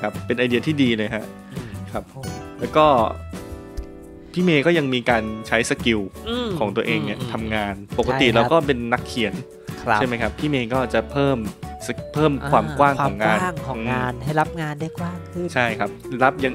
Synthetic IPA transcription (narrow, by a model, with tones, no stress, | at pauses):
kʰa˦˥pːe˧nʔa˧jdi˧ɐt̪ʰiː˥˩diː˧lɤː˧jɦɛ˦˥ʔ | kʰɾa˦˥pʰːo˩˦mlɛː˦˥wkɔː˥˩ | pʰiː˥˩meː˧kɔː˥˩ja˧ŋmiː˧kaː˧nt͡ɕʰa˦˥jsa˧ki˧wʰɔː˩˦ŋt̪u˧ɐʔeː˧ŋni˥˩t̪ʰa˧mŋaː˧npo˨˩ka˧t̪i˨˩ɾaː˧kɔː˥˩pe˧nːa˦˥kʰːi˨˩˦n | a˥˩jma˦˥jkʰa˦˥pʰːiː˥˩meː˧kɔː˥˩t͡ɕa˨˩pʰɤː˥˩m˧pʰɤː˥˩mkʰwaː˧mkwaː˥˩ŋkʰɔː˩˦ŋaː˧n˥˩ŋʰɔː˩˧ʔɯːŋ˧aː˧nha˥˩ɾa˦˥p̚ŋaː˧nda˥˩jkwaː˥˩ŋ˥t͡ɕʰa˥˩jkʰa˦˥p̚ɾa˦˥p̚ja˧ŋ